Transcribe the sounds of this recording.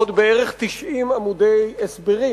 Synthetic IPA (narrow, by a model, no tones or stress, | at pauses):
od̪beeʁeχt̪iʃʔimamud̪ejesbeʁi